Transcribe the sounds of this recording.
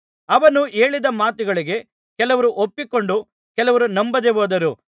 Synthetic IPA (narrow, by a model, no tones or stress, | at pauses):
ɐʋɐnue̞ːɭid̪ɐmaːt̪uɡɐɭiɡe̞ | kɛlɐʋɐɾuʔopːiko̞ɳɖu | kɛlɐʋɐɾunɐmbɐd̪eʋoːd̪ɐɾu